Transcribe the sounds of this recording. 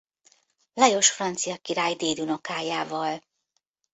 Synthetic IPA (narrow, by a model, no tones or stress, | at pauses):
lɛjo̞ʃfrɒnt̪sijɒkiɾaːjd̪eːd̪uno̞kaːjaːvɒl